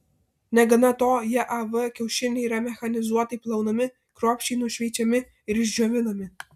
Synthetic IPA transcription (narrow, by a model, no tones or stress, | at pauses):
nʲɛɡɐnɐt̪oːjɛʔɐʋəkʲɛʊʃʲɪlʲnʲeiːɾɐmʲɛxɐnʲɪzuɔt̪ɐiplˠɐʊnɐmʲɪ | kɾoːpʲʃʲt͡ʃʲinuʃʲʋʲɛjt͡ʃʲɛmʲɪ | ɪɾɪʒʲd͡ʒʲoɔʋʲɪlˠɐmʲɪ